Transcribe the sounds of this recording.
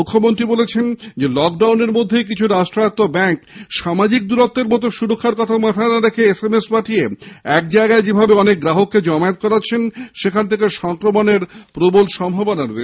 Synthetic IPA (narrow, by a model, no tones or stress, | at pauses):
ukʰːomont̪ɾibolet͡ɕʰend͡ʑelɔk̚ɖawneɾmod̪ʱːejkit͡ɕʰuɾasʈɾat̪ːobɛŋkʃamad͡ʑik̚d̪uɾott̪ːeɾmɔt̪̬oʃuɾokʰːaɾkɔt̪ʰamat̪ʰanaɾekʰeesemesbaʈʰijeɛk̚d͡ʑaeɡaed͡ʑebʱabeɔnek̚ɡɾaɦokːed͡ʑɔmaet̪̚kɔɾaːɕʰenʃekʰant̪ʰekeʃɔŋkɾomoneɾpɾobolʃɔmbʱɔbonaɾe